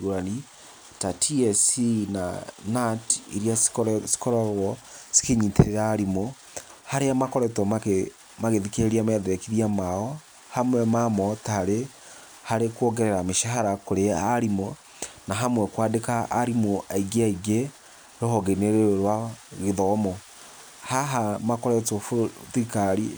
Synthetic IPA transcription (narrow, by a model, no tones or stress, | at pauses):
ɣoɾani | tatʰiɛsina̰natiɾiassi̥kɔɾɔɾwɔsi̥keɲiːteɾeɾaːɾimo | haɾeamakɔɾɛtɔma | maɣeðikeeɾiamɛðeɾekiðiamaɔ | hamwɛmamɔtaɾe | haɾekwɔɡɛɾɛɾameʃaɦaɾakoɾeaɾimɔ | naɦamwɛkwadekaːɾimoʔaiɡeaiɡe | ɾoɦɔɣeneɾeɾwaɣeðɔmɔ | haɦamakɔɾɛtɔfðikaɾi